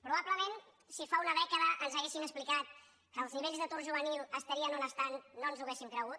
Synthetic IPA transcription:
pɾuβaβləmen | sifaunəðɛkəðəʔənzəɣesinəsplikat̪̚ | kəːlˠzniβeʎʲzðət̪urʒuβənilˠəst̪əɾiənunəst̪annonzuɣesimkɾəɣut̪

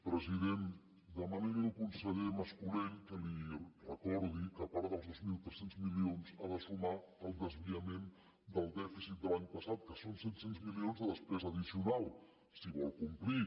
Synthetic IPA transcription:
pɾəziðen | d̪əməneɾənukunsəʎeməskulenkəlirəkɔɾðikəpaɾðəlˠzðozmilˠt̪ɾɛsenzmilionzaðəsuma | əlˠd̪əzβiəmen | d̪əlˠd̪ɛfisit̪̚d̪əlaɲpəsat̪̚kəsonset̪senzmilionzðəðəspɾɛzəðisiunalˠ | siβɔlˠkumpli

